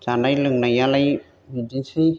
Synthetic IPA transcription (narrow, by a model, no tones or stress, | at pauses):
d͡ʒanajlɯŋnajalaj | bidisɯj